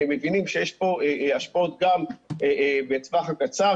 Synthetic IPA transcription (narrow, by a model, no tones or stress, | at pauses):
mːevinimʃejeʃpo̞eaʃpot̪̚ɡamebet͡svaχakat͡sa